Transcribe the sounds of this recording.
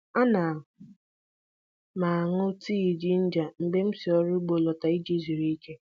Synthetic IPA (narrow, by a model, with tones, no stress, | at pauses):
a˦na˨ | ma˨a˨ŋʊ˦tiː˦i˨d͡ʒi˦n̩˦d͡ʒa˨m̩˨ɡ͡be˦m̩˦si˨ɔ˦ɾɪ˦ɡ͡bo˨lɔ˨ta˨i˦d͡ʒi˦zi˨ɾi˦i˦ke˦